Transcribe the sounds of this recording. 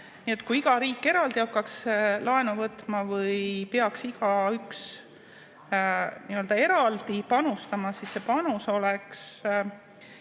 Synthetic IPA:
nie̞t̪kuiɡ̥ɑɾiːkːe̞ɾɑld̪̥ihɑkːɑkslɑe̞nuvɤt̪ˑmɑvɤjpeɑksiɡ̥ɑyks | niø̞ld̪ɑe̞ɾɑld̪̥ipɑnust̪ɑmɑsisːe̞pɑnuso̞leks

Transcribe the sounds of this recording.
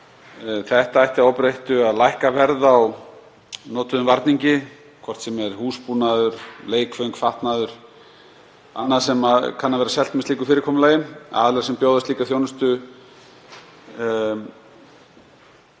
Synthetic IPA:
θɛht̪aajht̪aɾowpɾejht̪ʏaðlajhkavɛɾðaw | nɔːt̪ʏðʏmvaɾt̪niɲcɪ | kʰvɔr̥t̪sɛmɛɾ̥huːspuːnaðʏɾ̥leːjkfœɥŋkfaht̪naðʏɾ̥ | a̰nːaðsɛmakʰanːaðvɛːɾasɛl̥t̪mɛst̪iːkʏ̥fɪːɾɪɾkʰɔːmʏlaːjɪma̰ðɪlɛːɾasɛmpjoːwðast̪liːkaθjownʏst̪ʏ

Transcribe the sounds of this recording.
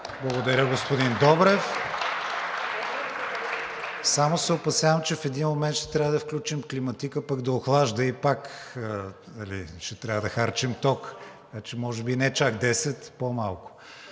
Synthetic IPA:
blˠɐɡʊd̪ɐɾʲəɡospʊd̪ind̪ɔbɾɛf | samosɛopɐsjavəmt͡ʃɛfɛd̪inmomɛnt̪ʃt̪ɛ̥t̪ɾʲavəd̪ɐfklʲut͡ʃimklimɐt̪ikəpɐɡd̪ɐoxlˠaʒd̪əipak | nɐlḭʃt̪ɛt̪ɾʲavəd̪ɐxaɾt͡ʃɛmt̪ɔk | kat͡ʃɛmɔʒɛbinɛt͡ʃakd̪ɛsɛt̪pomalˠkʊ̥

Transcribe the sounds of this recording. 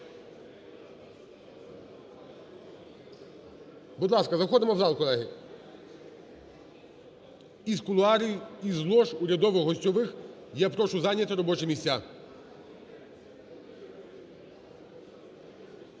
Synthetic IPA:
bud̪lˠɑskɐzɐxɔd̪ɪmɔwzɑlˠkɔlˠɛɦɪ | iskʊlˠʊɑɾʲijizlˠɔʃʊɾʲɐd̪ɔʋɪxɦɔsʲtʲɔʋɪx | jɛpɾɔʃʊzɑnʲjɐt̪ɪɾɔbɔt͡ʃɛmʲisʲa

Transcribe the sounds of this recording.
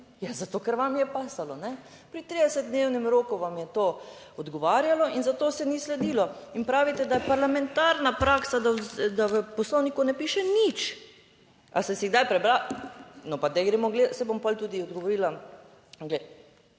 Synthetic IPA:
jazat̪oːkəɾʋamjɛpaːsalɔnɛ | pɾit̪ɾid̪ɛsɛt̪̚d̪newnɛmɾoːkuʋamjɛt̪oː | ɔd̪ɡɔʋaːɾjalɔinzat̪oːsɛnislɛd̪iːlɔinpɾaːʋit̪ɛd̪ajɛpaɾlamɛnt̪aɾnapɾaːksad̪awd̪aʋəpɔslɔwnikunɛpiːʃɛnit͡ʃ | a̰sɛsiɣɡd̪ajpɾɛbɾanɔpaɡd̪ajɡɾeːmɔɡlesɛbompɔlt̪uːd̪iɔd̪ɡɔʋɔɾiːla | ɡlɛj

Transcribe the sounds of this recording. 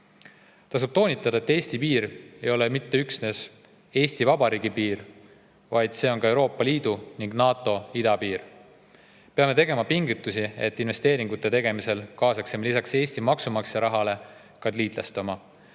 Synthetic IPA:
t̪ɑsub̥̚t̪o̞ːnʲit̪ːˑɑd̪ɑe̞t̪ːe̞ːsʲt̪ipiːɾe̞jo̞le̞mit̪ːeyksne̞s | e̞ːst̪ivɑbɑɾiːɡ̥ipiːɾ | vɑjd̪̥se̞ːo̞nkɑe̞wɾo̞ːpˑːɑliːd̪̥uniŋɡ̥nɑːt̪ˑo̞id̪̥ɑpiːɾ | peɑme̞t̪e̞ɡe̞mɑpiŋɡut̪ːˑusiet̪ːinve̞st̪e̞ːɾiŋɡ̥ut̪ːˑe̞t̪e̞ɡ̥emise̞lkɑːsɑksemelisɑkse̞ːst̪imɑksumɑkseɾɑɦɑle̞ | kɑd̪liːd̪̥lest̪omɑ

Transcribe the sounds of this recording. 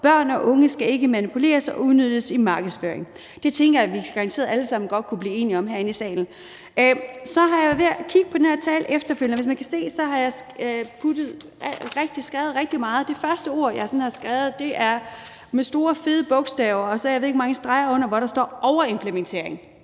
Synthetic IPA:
b̥ɶɐ̰nɒ̽ʔɔ̽ŋəsɡ̥æe̝ɡ̥əmænipʰule̝̰ːɐsɒ̽uðˠnød̥əsimɑ̈ːɡ̥əð̞̩ˠsfø̰ːɐeŋ | d̥e̝t͡sʰeŋɡ̥ɐjæʋi̥ɑ̈nt͡sʰe̝ːɐð̩ˠæləsɑ̈m̰n̩ɡ̥ɒ̽d̥̚kʰub̥liːe̝ːniɒ̽mɦæɐenisɛ̰ːln̩ | øsɒ̽ɦɑ̈jɑ̈ʋeɐkʰiɡ̥əpʰɒd̥enheæɐt͡sʰɛ̰ːlʔefd̥ɐføl̰jnʋe̝smænkʰæse̝̰ːsɒ̽ɦɑ̈jɑ̈ɪpʰud̥ð̩ˠ | ʁɛɡ̥̚d̥isɡ̥ʁɛːʊð̩ˠʁɛɡ̥̚d̥imɑ̈ːð̩ˠd̥e̝fɶɐsd̥əo̝ɐ̰jɑ̈ɪsɒ̽n̩hɑ̈sɡ̥ʁaːʊð̞̩ˠd̥e̝ʔæɐ | mesd̥o̝ːɐfe̝ðˠəb̥ɔ̽ɡ̥sd̥ɛʊɐɒ̽sɒ̽aɪʋeðˠeɡ̥̚mɑ̈ŋəsd̥ʁɑ̈ɪɐɔ̽n̰ɐʋɒɾ̥ɑ̈sd̥ɒ̰ːʔɒʊɐe̝mpʰlement͡sʰe̝ɐ̰eŋ

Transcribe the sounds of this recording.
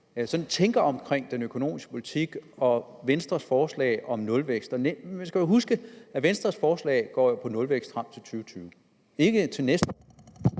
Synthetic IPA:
sɒ̽nt͡sʰeŋɡ̥ɐɒ̽mkʰʁeŋ̰d̥enøkʰo̝no̝̰ːmisɡ̥ə̥pʰo̝lit͡sʰiɡ̥ɒ̽ʋensd̥ʁɐsfɒːslɛ̰ɪʔɒ̽mnɔ̽lʋeɡ̥sd̥ɒnensɡ̥æjoɦusɡ̥əæʋensd̥ʁɐsfɒːslɛ̰ːɪɡ̥ɒ̰ːjopʰɒ̽nɔ̽lʋeɡ̥sd̥fʁɑ̈m̰t͡sʰe̝lt͡sʰyːt͡sʰyːʊ | e̝ɡ̥ət͡sʰe̝lnesd̥

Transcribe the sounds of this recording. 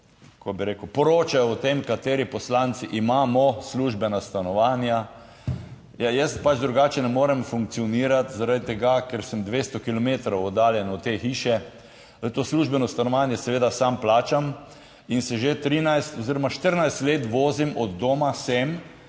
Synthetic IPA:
kobiɾeːkəwpɔɾoːt͡ʃajɔːt̪emkat̪eːɾipɔslant̪siʔimaːmɔsluːʒbɛnast̪anɔʋaːnja | jajɛst̪pad͡ʒd̪ɾuɡaːt͡ʃɛnɛmoːɾɛmfuŋk̚tsiɔniːɾat̪zaɾad̪it̪ɛɡakɛɾsəmd̪ʋeːst̪ɔkilɔmeːt̪ɾɐwɔd̪aːljɛnɔt̪exiːʃɛ | ət̪oːsluʒbɛnɔst̪anɔʋanjɛsɛʋeːd̪asamplaːt͡ʃam | insɛʒet̪ɾiːnajst̪ɔziɾɔmaʃt̪əɾnajst̪leːt̪ʋoːzimʔɔd̪ːoːmasɛm

